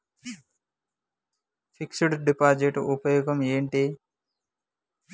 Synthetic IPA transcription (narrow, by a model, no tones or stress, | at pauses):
fʰiksuɽɖipaːd͡ʒeʈupɐjuːɡɐmeːɳʈi